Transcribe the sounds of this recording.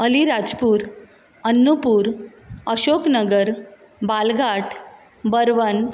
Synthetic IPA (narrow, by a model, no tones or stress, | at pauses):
əliɾad͡zpuːɾ | ənːupuːɾ | əɕoknəɡəɾ | balɡʱaʈʰ | bəɾʋən